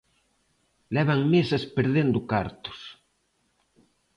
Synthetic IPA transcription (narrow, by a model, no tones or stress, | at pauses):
lɛβ̞aŋmesespeɾðend̪ʊkaɾt̪o̥s